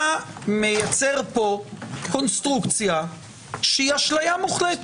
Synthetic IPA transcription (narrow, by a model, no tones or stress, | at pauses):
amejat͡seʁpo̞konst̪ʁukt͡sja | ʃeiaʃlajamuχlet